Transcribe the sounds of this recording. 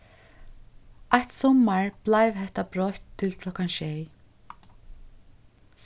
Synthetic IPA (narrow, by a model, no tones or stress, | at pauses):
ajht̪sɔmaɹb̥laɪʋɦɛht̪abɾɔht̪ʰːɪlkʰlɔkanʃɛj | s